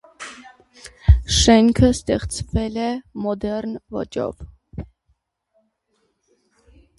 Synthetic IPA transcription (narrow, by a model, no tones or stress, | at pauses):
ʃɛŋkʰəst̪ɛχt͡svɛlɛmɔd̪ɛɾnvɔ̰t͡ʃɔ̰v